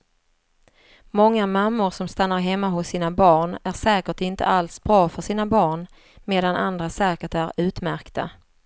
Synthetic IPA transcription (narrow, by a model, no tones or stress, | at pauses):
mɔŋːamamːʊɾʂɔmst̪anːaɾɦɛmːaɦʊsːiːnabɑːɳæɾʂɛːkəʈɪnt̪ʰə̰alsbɾɑːfœʂiːnabɑːɳ | meːd̪anʔa̰nd̪ɾasɛːkəʈæɾʉ̟ːt̪mæɾkt̪a̰